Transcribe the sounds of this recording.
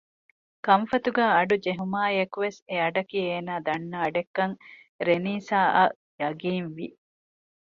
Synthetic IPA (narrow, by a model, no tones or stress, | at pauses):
kɐɱfɐt̪uɡaːɐɖud͡ʒeɦumaːjɐkuʋeseɐɖɐkieːnaːd̪ɐnːɐːɖekːɐŋ | ɾeniːsaːʔɐ | jɐɡiːnʋi